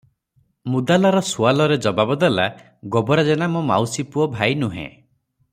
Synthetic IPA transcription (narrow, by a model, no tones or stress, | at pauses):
mud̪alɔɾɔsualɔɾed͡ʒɔbabɔd̪ela | ɡɔbɔɾad͡ʒenamɔma̰wsipuɔbʱajnuɦḛ̃